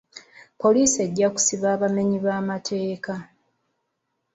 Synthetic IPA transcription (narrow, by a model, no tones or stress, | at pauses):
po̞liːse̞ɟːaku̥siβaːβame̞ɲiβaːmatʰe̞ːka